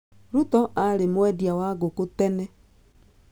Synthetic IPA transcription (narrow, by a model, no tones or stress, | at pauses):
ɾutɔʔaɾemwɛdjawaɡokutɛnɛ